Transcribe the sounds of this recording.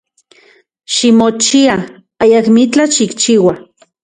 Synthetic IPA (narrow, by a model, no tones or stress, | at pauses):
ʃimot͡ʃia | ajakmit͡ɬaʃikt͡ʃiːwa